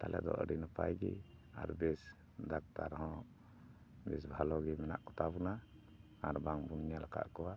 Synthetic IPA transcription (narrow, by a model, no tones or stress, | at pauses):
t̪alʔɛ̰d̪ɔ̰ʔə̰ɖinapa̰jɡɛ̰a̰ɾbɛs | d̪ak̚t̪aɾhɔ̃ | bɛsbʱalɔɡɛmɛna̰ʔkɔt̪abunaː | ɾbaŋbunɲalaka̰ʔkɔwa